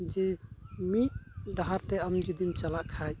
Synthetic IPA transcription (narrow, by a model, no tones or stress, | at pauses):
d͡ʒɛmit̪̚ɖaɦaɾt̪ɛɐmd͡ʒud̪imt͡ʃalaʔkʰad͡ʒ